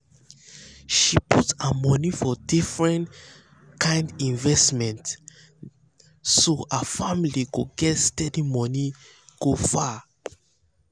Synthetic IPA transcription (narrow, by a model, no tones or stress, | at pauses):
ʃiputəmɔnifɔdifɹɛ̃n | kʰãɪ̃ndĩnvɛsmɛ̃nt | soəfamilikuɡɛtstɛdimɔni | ɡ̥ofa